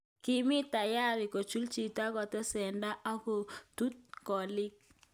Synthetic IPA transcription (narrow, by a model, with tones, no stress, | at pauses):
kɪ˦mɪ˦ta˨ja˦˨ɾɪ˨ko˨t͡ʃu˦lt͡ʃi˨ta˦kɔ˨tɛ˦sɛ˨nda˦ʔa˦ko˨tu˦t̚kɔ˨lɪ˦k̚